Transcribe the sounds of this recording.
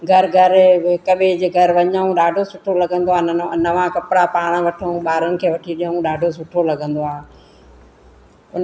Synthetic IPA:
ɡʱɐɾɡʱɐɾɪkɐɓɪd͡ʑɪɡʱɐɾʋɐɲəũɗaːɖʱosʊʈʰolɐɡə̃nd̪oaːnɐʋãkɐpɪɽapaːɽ̃ʋɐʈʰəũɓaːɾʊnɪ̆kʰeːʋɐʈʰiɗijəũɗaːɖʱosʊʈʰolɐɡə̃nd̪oaː | ʊn

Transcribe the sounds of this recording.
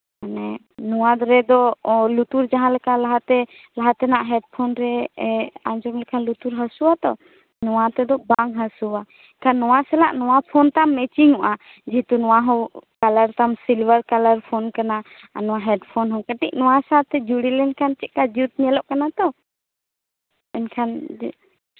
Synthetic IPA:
kanɛ | nɔwad̪ɾɛd̪ɔlut̪uɾd͡ʒaɦãlɛkʰalaɦat̪ɛlaɦat̪ɛnaʔɦɛɖ̚pʰɔnɾɛ | aɲd͡ʒɔmlɛkʰalut̪uɾɦasuat̪ɔ̰ | nɔwat̪ɛd̪ɔbaŋɦasuwa | kanːɔwasɛlaʔnɔwapʰɔnt̪amːɛt͡ʃiŋuʔa | d͡ʒit̪unɔwaɦɔ̃wkaləɾt̪amsilbəɾkalaɾpʰɔnkana | nɔwaɦɛɖpʰɔnɦɔ̃wkəʈic̚nɔwasaɾt̪ɛd͡ʒuɽilɛnkʰant͡ʃɛʔ̚kad͡ʒut̪̚ɲɛlɔʔkanat̪ɔ | ɛnkʰan

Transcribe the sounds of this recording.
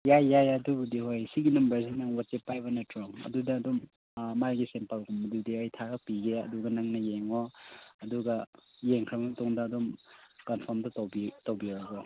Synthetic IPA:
jajːajaduɡudiɦojsiɡinɐmbɐɾsinaŋwat͡ʃepːajbɐnɐtɾɔŋɐ̰dudɐːdɔm | maɾɡisempalɡumɐdiudiajtʰaɡɐpiɡeɐ̰duɡɐnɐŋnɐjeŋoɐduɡɐjeŋkʰɾɐbɐmɐtɔŋdɐːdɔmkanpʰɔɾmdɐtowbitowbiawɡo

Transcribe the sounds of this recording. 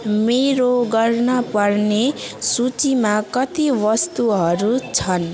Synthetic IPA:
meɾoɡʌrnʌpʌrnesut͡simakʌt̪iwʌst̪uɦʌɾut͡sʰʌn

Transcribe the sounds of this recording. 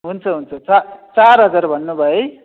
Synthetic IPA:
ɦunt͡sʰʌɦunt͡sʰʌt͡sat͡saɾɦʌd͡zaɾbʱʌnːubʱʌe

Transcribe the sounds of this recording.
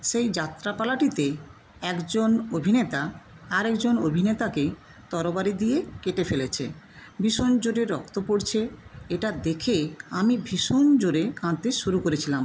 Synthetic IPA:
ʃejd͡ʑat̪ɾapalaʈit̪e | ɛkd͡ʑonobʱinet̪aː | ɾɛkd͡ʑonobʱinet̪ake | t̪ɔɾobaɾid̪ijekeʈefelet͡ɕʰḛ | bʱiʃond͡ʑoɾeɾɔkt̪opoɾt͡ɕʰeeʈad̪ekʰeamibʱiʃond͡ʑoɾekãnt̪eʃuɾukoɾet͡ɕʰilam

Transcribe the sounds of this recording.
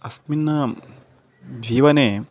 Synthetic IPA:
ɐsminːɐ | d͡ʒiːʋɐneː

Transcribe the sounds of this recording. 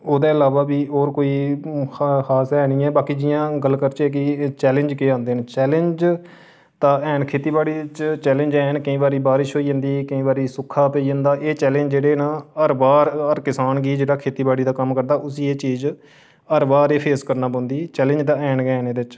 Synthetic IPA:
oːd̪ãːɪlaːʋaːbiːɔːɾkoːiː | xaːsɦɛːnĩːɛːbaːkiːd͡ʒɪjãːɡəlːkəɾt͡ʃɛːk̬ɪt͡ʃɛːlə̃ɲd͡ʒkeːãːnd̪eːnt͡ʃɛːlə̃ɲd͡ʒ | t̪ãːɛːnkʰeːt̪iːbaːɽiːt͡ʃt͡ʃɛːlə̃ɲd͡ʒɛːnkəĩːbaːɾiːbaːɾɪʃɦoːiːə̃nd̪iːkəĩːbaːɾiːsʊkʰːaːpɛiːd͡ʒə̃nd̪aːʔeːt͡ʃɛːlẽɲd͡ʒd͡ʒeːɽeːnãːəɾbaːɾəɾkɪsaːnɡiːd͡ʒeːɽaːkʰeːt̪iːbaːɽiːd̪aːkəmkəɾd̪aːʔʊsiːeːt͡ʃiːz | əɾbaːɾeːpʰeːskəɾnaːbə̃ːnd̪iːt͡ʃɛːlə̃ɲd͡ʒd̪aːɛːnɡɛːneːd̪ɪɪt͡ʃ

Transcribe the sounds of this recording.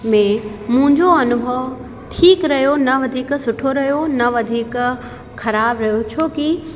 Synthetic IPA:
mẽmʊ̃ɦɪ̃ɲd͡ʑoɐnʊbʱəʋ | ʈʰiːkɾɐɦjonɐʋɐd̪ʱiːksʊʈʰoɾɐɦijonɐʋɐd̪ʱiːk | xɐɾaːbɾɐɦijot͡ɕʰoːki

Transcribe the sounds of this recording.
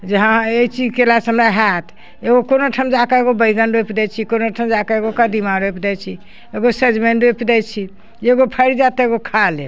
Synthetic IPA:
d͡ʒeɦãeit͡ʃid͡ʒkelasəmɾaɦat̪ʰ | eɡokonoʈʰəmd͡ʒakaeɡobəjɡənɖojpd̪ɛt͡ʃʰikonoʈʰəmd͡ʒakaeɡokəd̪imaɾɦojpd̪ɛt͡ʃʰi | eɡosed͡ʒmenɖojpd̪ɛt͡ʃʰi | d͡ʒeɡopʰəɾid͡ʒat̪eɡokʰalḛ

